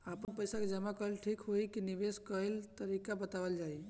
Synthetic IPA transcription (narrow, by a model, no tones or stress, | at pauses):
apənpəjsaked͡ʒəmakəɦelʈʰikɦoikinibeskəɦelt̪əɾikabət̪abəld͡ʒai